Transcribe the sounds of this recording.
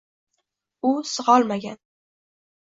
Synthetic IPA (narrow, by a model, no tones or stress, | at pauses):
ʊsɨʁɒlˠmaɡʲan